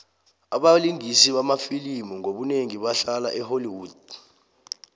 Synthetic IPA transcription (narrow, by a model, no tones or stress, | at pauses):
aɓaliŋisiɓamafilimuŋoɓuneŋiɓaɬalaʔɛholiwuːd̥